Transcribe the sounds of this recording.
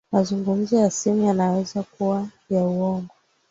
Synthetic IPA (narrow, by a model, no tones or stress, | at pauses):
mazuŋɡum̩zɔjasimujanawɛzakuwa | jauɔŋɡɔ